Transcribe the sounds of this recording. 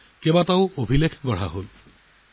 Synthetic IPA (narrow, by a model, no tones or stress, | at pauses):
kebataʊobʱilekʰɡɔɹ̤a̰ɦol